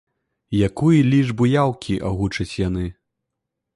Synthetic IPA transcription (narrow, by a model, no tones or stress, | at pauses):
jakujilʲiʐbujawkʲʰiʔaɣut͡ʂɐt͡sʲjanɨ